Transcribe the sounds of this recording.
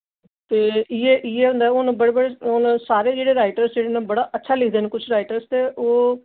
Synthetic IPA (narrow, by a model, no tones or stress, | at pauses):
t̪eːɪeːʔɪeːʊ̃nd̪aːʊnbəɽeːbəɽeʊnsaːɾeːd͡ʒeːɽeːɾaːɪʈəɾsd͡ʒeːɽeːnãːbəɽaːʔətːʃʰaːlɪkʰd̪eːneːkʊt͡ʃʰɾaːiʈəɾst̪eːʔoː